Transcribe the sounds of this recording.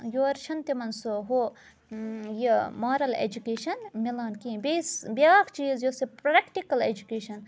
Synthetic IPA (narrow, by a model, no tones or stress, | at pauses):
joɐɾʃɐnt̪emɐnsoɦo | jimaːɾɐlḛd͡ʒukeːʃɐnmilaːnkiːbeːsbijaːkt͡ʃiːzjosepɾɐkʈikɐlḛd͡ʒukeːʃɐn